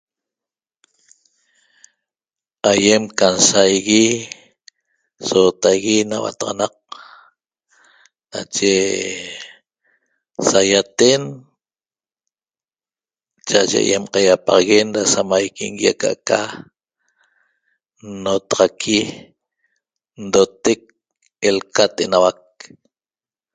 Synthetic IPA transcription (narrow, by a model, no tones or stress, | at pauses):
ajemkansajɣi | soːt̪ajɣinawa̰t̪ɑʁɑ̰nɑq̚ | na̰t͡ʃe | sajat̪en | t͡ʃaʔʒea̰jemqajapɑʁɑɣenɾasamajkiŋɡia̰ka̰ʔka | not̪ɑʁɑkʰi | nd̪ot̪ek̚ | elkat̪enawak̚